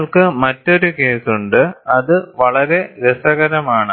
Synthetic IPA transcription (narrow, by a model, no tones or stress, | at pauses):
ɭkɨmɐtːo̞ɾuke̞ːsuɳɖɨɐðɨʋɐɭɐɾe̞ɾesɐɣɐɾɐmaːɳɨ